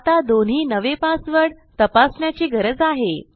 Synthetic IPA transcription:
at̪ad̪onɦiːnəʋepasʋəɽ | t̪əpasɳjat͡ɕiːɡʱəɾəd͡zaɦe

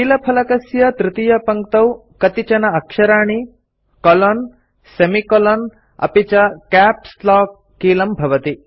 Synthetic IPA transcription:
kiːlɐpʰɐlɐkɐsjɐt̪ɾɪt̪ijɐpɐŋkt̪ɐw | kɐt̪it͡ʃɐnɐɐkʃɐɾaːɳ̃i | kɔlɐn | semikɔlɐn | ɐ̰pit͡ʃɐkæːp̚slɔːkːiːlɐmbʱɐʋɐt̪i

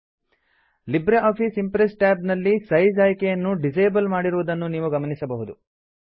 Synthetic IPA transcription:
libɾeaːpʰisimpɾesʈaːbnɐlːisɐjd͡ʒaːjikɛjɐnːuɖid͡ʒɐjbɐlmaːɽiɾuʋud̪ɐnːuniːʋuɡɐmɐnisɐbɐɦud̪u

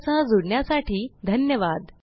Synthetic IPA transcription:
t͡sad͡zuɽɳjasaʈiːd̪ʱənjəʋad̪

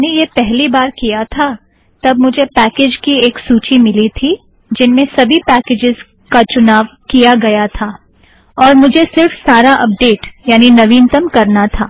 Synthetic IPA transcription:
nejepɛɦlibaːɾkijat̪ʰa | t̪ɐbmʊd͡ʒʱepɛːkeːd͡ʒkieːksuːt͡ʃimɪlit̪ʰi | d͡ʒɪnmẽsɐbʱipɛːkeːd͡ʒɪz | kat͡ʃʊnaːʋkijaɡɐjat̪ʰaː | ɔːɾmʊd͡ʒʱesɪɾfsaːɾaʔɐp̚ɖeːʈjaːninɐʋiːnt̪əmkɐɾnat̪ʰaː

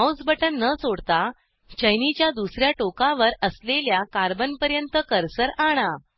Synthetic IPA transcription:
awd͡zbəʈənːət͡soɽt̪a | t͡ɕəjnit͡ɕjad̪usɾjaʈokaʋəɾəsleljakaɾbənpəɾjənt̪əkəɾsəɾaɽ̃a

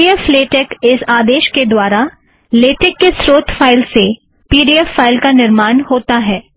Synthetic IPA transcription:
iəfleːʈɛːkɪsaːd̪eːʃked̪waːɾa | leːʈɪkːesɾoːt̪ʰfʰaːɪlse | piːɖiəfːaːɪlkanɪɾmaːnhoːt̪aɦɛː

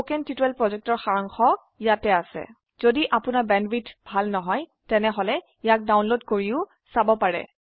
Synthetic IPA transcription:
okɛntitɛlpɹɔzɛk̚tɔɹxaɹɔŋxɔ | jatɛasɛ̰ | z̥odiʔapʊnabɛnbitbʱalnɔɦɔjtɛnɛɦɔlɛ | ijak̚dawnlodkoɹiʊ | sabɔpaɹɛ̰

